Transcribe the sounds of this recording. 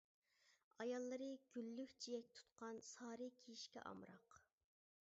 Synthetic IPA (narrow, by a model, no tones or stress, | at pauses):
ɑjɑlˠːɨɾɨɡ̥ʲylːykʲt͡ʃʰijɛk̚ʲt̪ʰu̥t̪qʰɑnsɑːɾɨkʲʰijiʃkʲɛ̰ʔɑ̰mɾɑq